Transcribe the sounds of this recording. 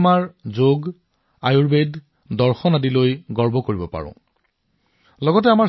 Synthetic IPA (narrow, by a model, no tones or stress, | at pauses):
maɹzoɡ | ajuɹbed | dɔɹxɔnadilojɡɔɹbʱɔkoɹibɔpa̰ɹʊ̰̃ | lɔɡɔtɛama